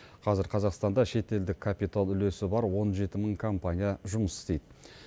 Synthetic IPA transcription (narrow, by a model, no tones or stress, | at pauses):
qʰɑzɪɾqʰɑzɑqst̪ɑnd̪ɑʃe̞t̪e̞ld̪ɪkʰːapijt̪alˠʏle̞sɪbɑɾwo̞nʒe̞t̪ɪməɴkʰompanʲijaʒʊməsɪst̪e̞jd̪ɪ